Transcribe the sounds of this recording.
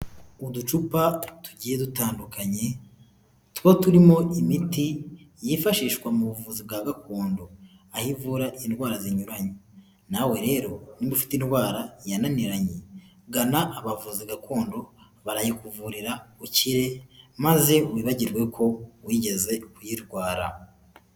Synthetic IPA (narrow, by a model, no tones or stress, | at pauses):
udut͡ʃupatu̥ɟiːjedutaːndukaɲe̞ | twotuɾimo̞imitijifaʃiːʃwamuβuvuzib̚ɡaɡakʰo̞ːndo̞ahivuɾaʔinwaːɾaziɲuɾaɲe | nawe̞ɾe̞ːɾo̞nibufi̥tinɡwaːɾajananiɾaɲe | ɡanaʔːβavuziɡakʰo̞ːndo̞ | βaɾajikuvuɾiɾauciɾe̞maze̞wiːβaɟiɾɡwe̞kʰo̞wiːɟe̞ze̞kujiɾɡwaːɾa̰